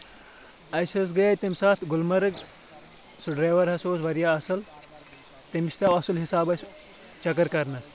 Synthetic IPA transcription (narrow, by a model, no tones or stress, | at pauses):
ɐsɐs̬ɡɐjɐjt̪imʲsaːt̪ʰɡulmɐɾɨɡ | suɖɾeːʋɐɾɦɐsoːsʋɐɾjaːɐsɨl | t̪imiʃʲt̪ɐwɐsɨlɦisaːbɐsʲ | t͡ʃɐkɐɾkɐɾnɐs